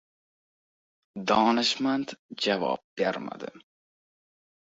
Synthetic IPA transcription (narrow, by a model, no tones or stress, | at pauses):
d̪ɒːnɨʃmant̪d͡ʒavɒ̰ːb̚ɡaɾma̰d̪ɪ̰